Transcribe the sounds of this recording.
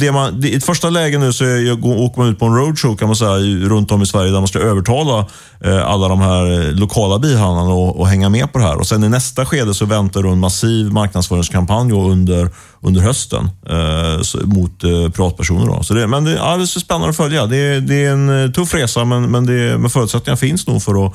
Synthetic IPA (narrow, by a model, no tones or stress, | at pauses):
d̪ɛmand̪ɛɪfœʂʈalɛːɡənʉːsɔɡooːkəmanʉ̟ːt̪pʰɔɛnɾəʊd̪ʂokʰanmansɛjːaɾɵnt̪ɔmɪsvæɾjəd̪æɾmanskaøːvəʈʰɑːla | a̰lːad̪ɔmhæɾlʊkʰɑːlabiːɦand̪anaɔɔɦɛŋːamɛpʰɔd̪ɛɦæ̰ːɾɔ̰sɛnɪnɛst̪aɧeːd̪əsɔvɛnt̪aɖɵɛnmasiːvmaɾk̚nad̪sfœːɾɪŋskʰampanjɔɵnd̪əɾ | ɵnd̪əɾhœst̪ə̰n | smʊt̪pʰɾɪvɑːt̪pʰæʂṵːnə̰ɖɔ̰sɔd̪ɛmɛnd̪ɛʔa̰ld̪ɛsɛspɛnːa̰nɔfœljad̪ɛd̪ɛɛnt̪ʰɵfːɾeːsamɛnmɛnd̪ɛmɛnfœːɾʉt̪sɛt̪ɪŋaɾfɪnsnṵːɡfœɾɔ